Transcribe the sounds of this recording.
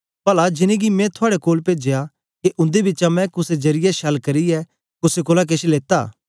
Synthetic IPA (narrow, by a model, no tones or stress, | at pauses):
pɐlad͡ʒɪnẽɡimɛ̃t̪ʰʊaːɽekoːlpeːd͡ʒeja | keʔʊ̃nd̪ebɪt͡ʃamɛ̃kʊsed͡ʒɐɾɪjɛʃɐlkɐɾiɛ | kʊsekoːlak̬eʃeleːt̪a̰ː